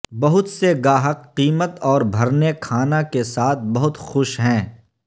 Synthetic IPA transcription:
bɐɦʊt̪seɡaːɦəqːiːmət̪ɔːɾbʱɐɾnekʰaːnakesaːt̪̚ʰbɐɦʊt̪xʊʃɦɛ̃ː

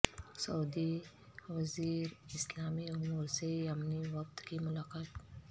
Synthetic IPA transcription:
sɐud̪i | ʋɐziːɾɪslaːmiʊmuːɾseamniʋɐk̚t̪kimʊlaːkaːt̪

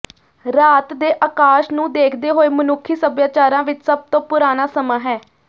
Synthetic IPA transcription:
ɾaːt̪d̪eːʔaːkaːʃnũːd̪eːkʰd̪eːɦoːeːmənʊkʰːiːsəbjaːt͡ʃaːɾãːʋɪt͡ʃsəb̚t̪õːpʊɾaːnaːsəmãːɦɛː

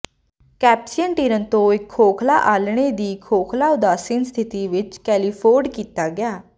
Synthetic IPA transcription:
kɛːpsijənʈiːɾənt̪õːɪkʰːoːkʰla̰ːʔaːlɽ̃eːd̪iːkʰoːkʰlaːʊd̪aːsɪnst̪ʰɪt̪iːʋɪt͡ʃkɛːliːpʰoːɾɖkiːt̪aːɡɪaː

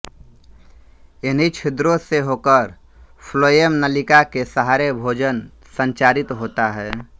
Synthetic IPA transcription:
ɪnɦit͡ʃʰɪd̪ɾõseɦoːkəɾ | pʰloːjemnəlɪkakesəɦaːɾebʱoːd͡ʒən | sə̃ɲt͡ʃaːɾɪt̪ɦoːt̪aɦɛː

